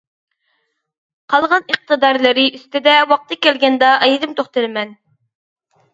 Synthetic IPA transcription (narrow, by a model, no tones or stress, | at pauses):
qʰɑlˠʁɑniq̚t̪ɨd̪ɑɾlˠɪɾɪʔyst̪ɪd̪ɛwɑq̚t̪ʰɨkʲɛlɡʲɛnd̪ɑʔɑjɪd̪ɪmt̪ʰoχt̪ɨlɪmɛn